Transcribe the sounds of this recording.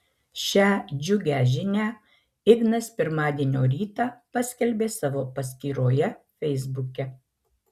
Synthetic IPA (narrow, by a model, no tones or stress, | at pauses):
ʃʲæːd͡ʒʲʊɡʲæːʒʲɪnʲæː | ɪɡnɐspʲɪɾmɑːd̪ʲieːnʲoːɾʲiːt̪ɑːpɐsʲkʲɛlʲbʲeːsɑːʋoːpɐsʲkʲiːɾoːjɛfʲɛɪzbʊkʲɛ